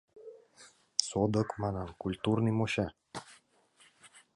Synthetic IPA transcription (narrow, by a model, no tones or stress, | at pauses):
sod̪ɤ̆kmɑnɑnkulʲt̪urnimoɕa